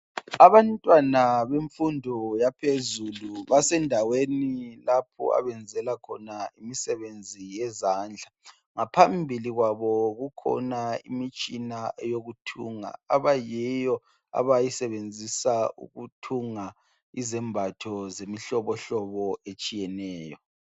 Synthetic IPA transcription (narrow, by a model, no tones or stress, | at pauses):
aβantʼwanaβeɱfundʱɔjapʰezuluβasɛndʱawenilapʰɔ̰a̰βɛnd͡zʱɛlakʰɔ̰naimisɛβend͡zʱijɛzaːnd͡ɮʱa | ŋapʰambʱiliɣwaβɔɣukʰɔ̰naimit͡ʃʼinaʔɛjoɣutʰuŋa̰aβajɛjɔ | a̰βajisɛβend͡zʱisaṵɣutʰuŋa | izɛmbʱatʰɔzemiɬɔβɔɬɔβɔet͡ʃʼijɛnɛːjɔ